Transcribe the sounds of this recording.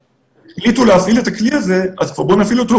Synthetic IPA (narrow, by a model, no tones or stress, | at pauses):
eχlituleafile̞takliaze̞azkvaʁbonafilueto